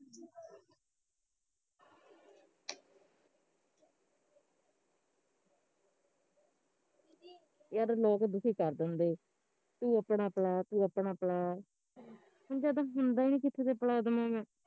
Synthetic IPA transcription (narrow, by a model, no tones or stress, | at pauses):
jaɾlɔːkd̪ʊsiːkəɾd̪ənd̪eː | t̪ũːəpɳaːpɽaːt̪ũːəpɳaːpɽaː | hʊnd͡ʒaːd̪ãːɦʊnd̪aːiːnĩːkɪt̪ʰːeːd̪eːpəlaːd̪əmãːmɛ̃ː